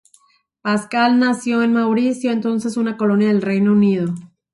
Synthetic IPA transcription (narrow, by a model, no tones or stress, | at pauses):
paskalnasjo̞enmawɾisjo̞ent̪o̞nse̞sunako̞lo̞njaðe̞lre̞jnounið̞o̞